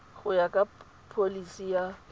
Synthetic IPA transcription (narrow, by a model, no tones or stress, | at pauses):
ɣʊjakʼa | pʰolisija